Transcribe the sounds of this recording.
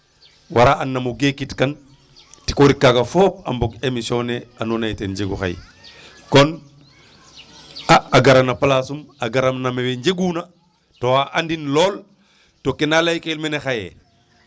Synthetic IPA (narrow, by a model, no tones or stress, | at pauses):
waɾaanːamuɡekitkan | ti̥koɾikːakafoːp̚a̰mboɡemisoːneanoːnajtenɲɟeɡṵxa̰j̰ | kon | aaɡaɾanapalasumaɡaɾamnameweɲɟeɡuna | towaʔandinloːl | tokenalajkeilmenexajḛ